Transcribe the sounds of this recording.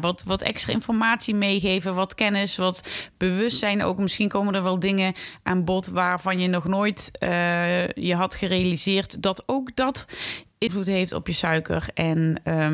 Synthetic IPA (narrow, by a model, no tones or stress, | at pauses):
ʋɑtʋɑtɛ̰kstra̰ɪnfɔɹmaːtsimejɣejvəʋɑtkɛnɪsʋɑtb̥əʋɵstsɛjno̰wkmɪsxinkowməndəɹʋɛlˠdɪŋəʔaːnbɔtʋaːrvɑnjənɔχnoːjtəjəɦɑtχərejalizɪːrtdɑtowkdɑtɪnvlutɦejftɔ̰pjəsœɥkə̰rɛnə